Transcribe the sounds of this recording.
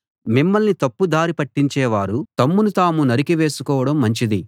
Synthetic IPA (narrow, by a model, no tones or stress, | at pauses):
mimːɐlnit̪ɐpːud̪aːɾipɐʈːiɲt͡ʃɛːʋaːɾut̪ɐmːunut̪aːmunɐɾikiʋe̞ːsukɔːʋɐɽɐmːɐɲt͡ʃid̪i